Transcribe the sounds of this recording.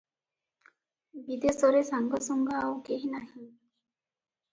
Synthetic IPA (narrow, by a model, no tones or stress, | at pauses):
bid̪esɔɾesaŋɡɔsɔŋɡaawkeɦinaɦĩ